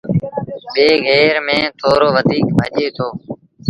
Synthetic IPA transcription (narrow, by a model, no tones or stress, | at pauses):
ɓeːɣɛːɾmẽːt̪ʰoːɾoːʋəd̪ʱiːkbʱəʄeːt̪ʰoː